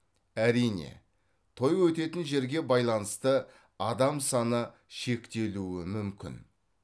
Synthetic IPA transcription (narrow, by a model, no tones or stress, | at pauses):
æɾijne̞̰ | t̪ʰo̞jwɵt̪e̞t̪ɪnʒe̞ɾɡʲe̞bɑjlˠɑnəst̪ə | ɑd̪ɑmsɑnə | ʃe̞kt̪e̞luɪmʏmkʲʰɪ̰n